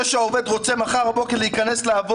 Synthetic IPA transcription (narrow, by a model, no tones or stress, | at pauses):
ʃeaoved̪ʁo̞t͡semaχaʁabo̞keʁleikanesleav